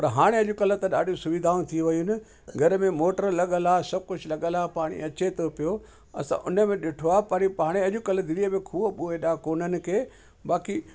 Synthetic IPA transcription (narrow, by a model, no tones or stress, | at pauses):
pɐɾɦaːɽ̃ẽɐʄʊkɐlə̆t̪ɐɗa̰ːɗijũsʊʋid̪ʱãːt̪ʰiʋɐjunɪ̆ | ɡʱɐɾmẽmoːʈəɾlɐɠəlaːsɐb̚kʊd͡ʑʱlɐɠəlaːpaːɽ̃ḭɐt͡ɕet̪ʰopijo | ɐ̰sã̰ʔʊnə̆mẽɗɪʈʰoaːpɐɾipaːɽ̃eɐʄʊkɐld̪ɪɾijəmẽkʰuːəɓuːeɗaːkoːnənɪ̆kʰeː | ɓaːki